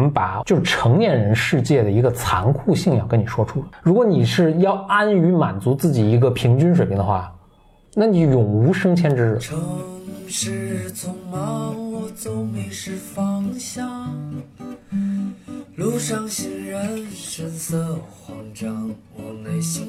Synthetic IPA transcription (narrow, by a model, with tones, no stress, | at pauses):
mə˦npa˨˩t͡ɕjo˥˧ʊʂɻ̩˥˩ʈ͡ʂʰɤ˧˥ŋljɛ˥˩nɻə˧˥nʂɻ̩˥˧t͡ɕjɛ˥˩d̪ə˩i˧˥ɡə˧t͡sʰa̰˧˥nkʰu˥˧ɕi˥˧ŋjɑ˥˩ʊkə˥ni˨˩ʂwɔ˥ʈ͡ʂʰu˥˩ɻu˧˥kwɔ˧˥ni˨˩ʂɻ̩˥˧jɑ˥˩ʊa˥ny˧˥ma̰˨˩nt͡su˧˥t͡sɹ̩˥˩t͡ɕi˨˩i˧˥ɡə˧pʰi˧˥ŋt͡ɕy˥nʂwe˨˩pʰi˧˥ŋd̪ə˧xwa˥˩ | na˥˩ni˧˥jʊ˨˩ŋu˧˥ʂɤ˥ŋt͡ɕʰjɛ˥nʈ͡ʂɻ̩˥˩ʈ͡ʂʰɤ˧˥ʂɻ̩˥˩t͡sʰʊ˧˥ŋmɑ˧˥wɔ˧˩t͡sʊ˥ŋmi˧˥ŋʂɻ̩˥˧fɑ˥ŋɕjɑ˥˩ŋ | lu˧˥˩ʂɑ˥ŋɕi˧˥ŋɻə˧˥nʂə˧˥nt͡sʰɤ˥˧˩xwɑ˧˥ŋʈ͡ʂɑ˥ŋ | ɔ˧˩ne˧˩ɪɕi˧˥